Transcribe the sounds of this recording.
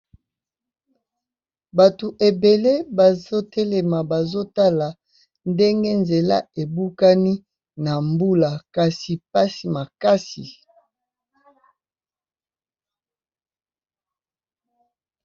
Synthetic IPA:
ba˨tu˨ʔe˨be˨le˦ba˨zo˦tɛ˦lɛ˨ma˨ba˨zo˦ta˦la˨ | nde˦ŋɡe˦nze˨la̰˦e˨bu˦ka˦ni˦ | na˨mbu˦la˨ka˨si˨pa˦si˨ma˨ka˦si˨

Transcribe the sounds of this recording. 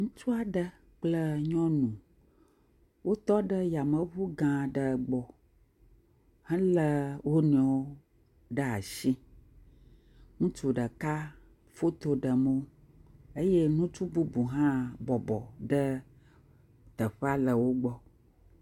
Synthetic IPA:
ŋũ˦t͡ʃu˦a˨ɖə˦ | k͡plə˦ɲɔ̃˦nũ˨ | wo˦t̪ɔ˦ɖə˦ja˨mə˦βu˦ɡã˨ɖə˨ɡ͡bɔ˨ | hə̃˦lə˦wo˦ñ˨ɔ˨wo˦ | ɖə˦a˨ʃi˦ | ŋũ˦t͡ʃu˨ɖə˨ka˦ | fo˦t̪o˦ɖə˨mo˦ | e˦je˦nũ˦t͡ʃu˦bu˦bu˨ɦã˦bɔ˨bɔ̰˨ɖə˦ | t̪ə˨ɸə˦a˦lə˨wo˦ɡ͡bɔ˦

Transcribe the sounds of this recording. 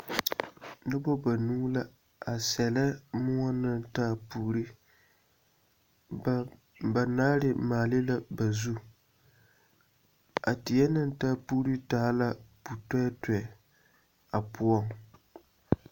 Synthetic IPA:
nɨ˦bɔ˦ba˨nuː˦la˦ | a˨sɛ˨lɛ˦mʊ˦ɔ˦nɨ˦ntaː˦puː˨ɾi˦ | ba˨naː˦ɾɪ˦maː˨lɪ˦la˦ba˨zu˦ | a˨tɪ˨jɛ˦nɨ˦ntaː˦puː˦ɾi˦taː˦la˦pu˨tɛ˦tɛ˨ | a˨pʊ˦ɔ˦ŋ

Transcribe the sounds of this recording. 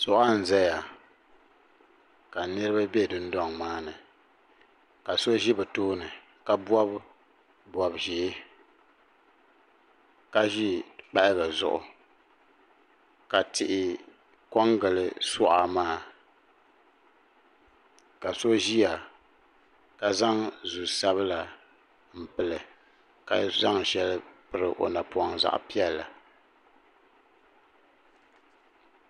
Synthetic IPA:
sɔ˦ʔa˦n̩˨zɛ˦ja˨ | ka˨nɨ˦ɾɨ˦ba˦bɛ˦˨dɨ˦n̩˦dɔ˦ŋmaː˦nɨ˨ | ka˨so˦ʒi˦bɨ˨toː˦nɨ˨ | ka˦bɔ˦b | bwɔ˨bʒɛ˨˦ | ka˦ʒi˦k͡pa˦ʔɪ˦ba˨zʊ̰˨ʔʊ̰˨ | ka˨tɪ˨ʔɪ˨ | kɔ˦ŋɡɨ˨lɨ˨sɔ˦ʔa˨maː˦ | ka˨so˦ʒi˦a˨ | ka˨za˦ŋzu˨sa˦βɨ˦la˨ | m̩˨pɨ˨lɨ˨ | ka̰˨za˦ŋʃɛ˦lɨ˦pɨ˦ɾɨ˨ʔo̰˨na˨pu˨a˨ŋza̰˦˨ʔpi˦ɛ˦lːa˨

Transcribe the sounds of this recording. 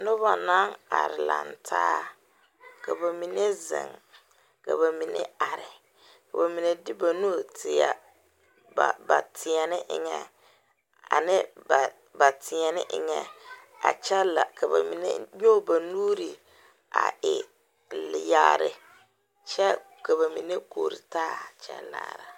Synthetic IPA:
nʊ˦βa˨na˦ŋa˨ɾɪ˨la̰˨n˨tʰaː˦ | ka˨ba˨mi˨ne˦zɪ̰˨ŋ | ka̰˨βa˨mi˨nḛ˦a˨ɾɪ˨ | ka˨ba˨mi˨ne˨dɪ˦ba˨nu˦˨tʰɪ˨a˨ | ba˨ba˨tʰɪ˨ɛ˨nɪ˦ʔɪ̰˨ŋɛ̰˨ | a̰˨nɪ˦ba˨ | ba˨tʰɪ˨ɛ˨nɪ˦ʔɪ˨ŋɛ˨ | a̰˨t͡ʃɛ˦la˨ka˨ba̰˨mi˨nḛ˦ɲo˦˨ba˨nuː˦ɾi˨ | a̰˨ɪ˨ | lja˨ɾɪ̰˨ | t͡ʃɛ˦ | ka˨βa˨mi˨ne˦koː˨ɾi˨taː˦˨t͡ʃɛ̰˦la̰ː˨ɾa˨

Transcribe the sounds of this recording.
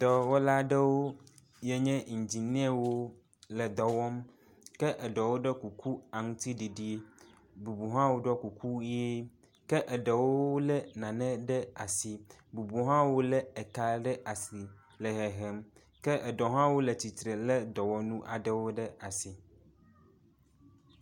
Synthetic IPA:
t̪ɔ˨wo˦la˦ɖɛ˦wo˦ | jɛ˦ɲɛ̃˦ŋ̩˨d͡ʑi˨nĩ˦ɛ˦wo˦ | lɛ˨d̪ɔ˨wɔ˦m | kɛ˦ʔɛ˨ɖɔ˨wo˦ɖɛ˦ku˨ku˦a˨ŋũ˦t̪i˦ɖi˨ɖi˦e˦ | bu˨bu˨ɦã˦wo˦ɖɔ˦ku˨kʰu˦e˦ | kɛ˦ʔɛ˨ɖɛ˨wo˦lɛ˦nã˨nɛ̃˦ɖɛ˦a˨si˨bu˨bu˨ɦã˦wo˦lɛ˦ɛ˨ka˨ɖɛ˦ʔa˨si˨ | lɛ˨ɦɛ˨ɦɛ˨m | kɛ˦ʔɛ˨dɔ˨ɦã˦wo˦lɛ˨t͡ɕi˨t̪ɾe˨lɛ˦d̪ɔ˨wɔ˦nũ˦ʔa˨ɖɛ˦wo˦ɖɛ˦a˨si˨

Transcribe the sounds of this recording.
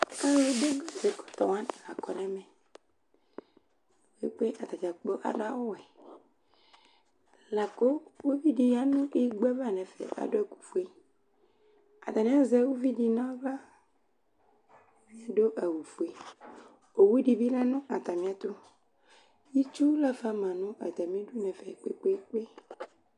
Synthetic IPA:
ka˦lo˨de˦ɡɔ˦˨ze˨kɔ̥˨t̪ɔ˨wã˦nɛ˨la˨kɔ˨nɛ˦mɛ˨ | we˦k͡pe˦ʔa˨t̪a˨t͡ʃa˨k͡po˦ʔa̰˨ɖo˦a˦wo˦wɛ˨ | la˨ko˦wo˦vi˦ɖi˨ja˦nũ˦ʔi˦ɡ͡bɛ˦va˦˨nɛ̃˨fḛ˨ʔa̰˨do˦e˨ku̥˨fu˦e˦ | a̰˨t̪a˨mĩ˦a˦zɛ˦wo˦vi˦di˨nã˦va˦ | mĩ˦a˨ɖo˦ʔa˨wu˨fu˨e˨ | o˨wu˦ɖi˨bi˦lɛ˦nũ˦ʔa˨t̪a˨mĩ˦a˦t̪o˦ | ji˦t͡ʃu˦la˦fa˦mã˨nũ˦a˨t̪a˨mĩ˦ɖu˦nɛ̃˨fe˨k͡pḛ˦k͡pe˦k͡pe˦

